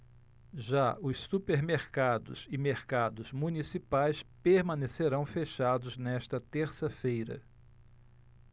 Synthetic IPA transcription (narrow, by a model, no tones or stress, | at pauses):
ʒaʊssupeɾmeɾkad̪ʊ̰zɪmeɾkad̪ʊzmũnisipajspeɾmɐ̃neseɾɐ̃w̃feʃad̪ʊznɛʃt̪ɐt̪eɾsɐfejɾɐ̰